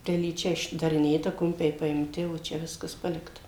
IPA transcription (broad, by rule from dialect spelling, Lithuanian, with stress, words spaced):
tʲɛlʲiːˈt͡ʃʲɛ ɪʒdɐrʲɪˈnʲeːtɐ ˈkʊmʲpʲɛɪ pɐɪmʲˈtʲɪ oː ˈt͡ʃʲɛ ˈʋʲɪskɐs ˈpɑːlʲɪktɐ